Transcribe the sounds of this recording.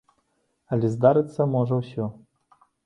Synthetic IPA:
ɐlʲɛzd̪aɾɨt̪sːɐmɔʐɐwsʲɔ

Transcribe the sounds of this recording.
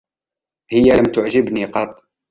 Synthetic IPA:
hɪjːaləmt̪ʊʕʒɪbniqɑt̪ˤː

